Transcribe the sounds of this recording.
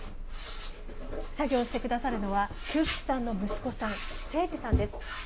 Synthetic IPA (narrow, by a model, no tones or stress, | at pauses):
saɡʲo̞ːɕi̥t̪e̞kɯ̟d̪asaɾɯ̟no̞βa | kʲɨːɸɯ̥t͡sɨ̥sãnːo̞mɯ̟sɨ̥ko̞sãɰ̃se̞ːʑisãnd̪e̞sɨ̥